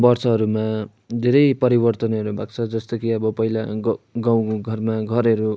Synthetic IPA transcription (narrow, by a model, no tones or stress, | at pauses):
bʌrsʌɦʌɾuma | d̪ʱeɾʌjpʌɾibʌrt̪ʌnʌɾubʱaɡt͡sʰʌd͡zʌst̪okiʌbʌpʌɦilaɡɡaw̃ɡʱʌrmaɡʱʌɾʌɾu